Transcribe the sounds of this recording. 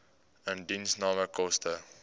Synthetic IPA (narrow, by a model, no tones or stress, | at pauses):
ə̃ndĩnsnɑːməkɔstə